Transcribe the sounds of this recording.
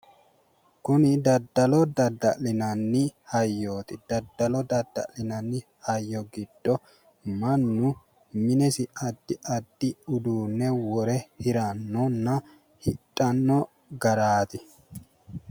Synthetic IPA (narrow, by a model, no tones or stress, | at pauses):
kʊnɪd̪ɐd̪ːɐlɔd̪ɐd̪ːɐ̰ʔlɪnɐnːɪhɐjːoːt̪ɪd̪̥ɐd̪ːɐlɔd̪ɐd̪ːɐ̰lɪnɐnːɪ | hɐjːɔɡɪd̪̥ːɔ | mɐnːʊ | mɪnɛsɪʔɐd̪ːɪʔɐd̪ːɪʊd̪uːnːɛwɔɾɛhɪɾɐnːɔnːɐ | hɪtʼːɐnːɔ | ɡɐɾaːt̪ɪ